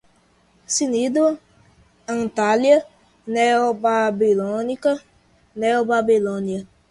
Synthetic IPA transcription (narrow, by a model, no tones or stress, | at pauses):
sinido | an̩talia | neɔbabilɔnika | neɔbabilonia